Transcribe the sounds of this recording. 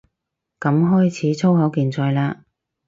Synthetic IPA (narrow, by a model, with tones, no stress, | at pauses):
kɐ˨˥mɦɔː˥jt͡sʰiː˨˥t͡sʰo˥whɐ˨˥wkiː˨˧nt͡sɔː˧jlaː˥